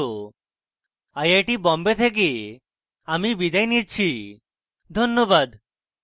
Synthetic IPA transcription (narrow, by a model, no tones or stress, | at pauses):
o | ajajʈibɔmbet̪ʰek̬i | amibid̪ajnit͡ɕʰi | d̪ʱonːobad̪